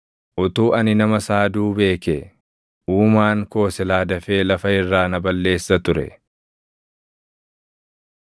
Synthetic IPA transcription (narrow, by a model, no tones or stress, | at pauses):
ʔʊt̪uːʔɐnɪnɐmɐsaːd̪uːbe̞ːke | ʔuːmaːŋko̞ːsɛlaːd̪ɐfe̞ːlɐfɐɪrːaːnɐbɐlːe̞ːsːɐt̪ʊɾɛ̰